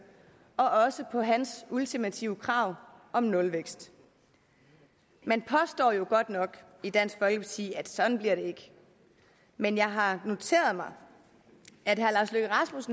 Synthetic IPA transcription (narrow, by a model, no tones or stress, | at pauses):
ɒ̽ʔɒ̽səpʰɒ̽ɦænsult͡sʰimæt͡sʰiʊəkʰʁɑ̈ʊ̰ʔɒ̽mnɔ̽lʋeɡ̥sd̥ | menpʰɒ̽sd̥ɒ̰ːjo̝ɡ̥ɒ̽d̥nɒ̽ɡ̥ | id̥æn̰sɡ̥fɒ̽lɡ̥əpʰɑt͡sʰḭːæd̥sɒ̽d̥n̩bliɐɾ̥e̝e̝ɡ̥ə | menjɑ̈ɪɦɑ̈no̝t͡sʰe̝̰ːɐð̞̩ˠmɑ̈ɪ | æd̥ɦæɐlɑ̈ːsløɡ̥əʁɑsmusn̩